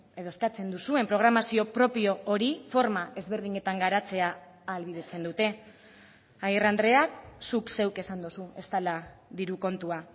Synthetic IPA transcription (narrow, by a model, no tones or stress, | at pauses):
e̞ðo̞eskat͡se̞nd̪usue̞mpɾo̞ɣ̞ɾamasio̞pɾo̞pio̞ːɾifo̞ɾmae̞zβe̞ɾð̞iɲe̞t̪aŋɡaɾat͡se̞aː | lβið̞e̞t͡se̞nd̪ut̪e̞ | ajrand̪ɾe̞aksukse̞wke̞sand̪osue̞st̪alaðiɾuko̞nt̪ua